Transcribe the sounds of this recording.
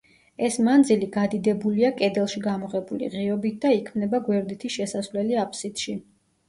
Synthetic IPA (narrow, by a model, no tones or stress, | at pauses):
ɛsmand̪ziliɡad̪id̪ɛbuliakʼɛd̪ɛlˠʃiɡamɔʁɛbulḭʁiɔbit̪̚ʰd̪aikʰmnɛbaɡwɛɾd̪it̪ʰiʃɛsasvlɛliapʰʼsit̪ʃi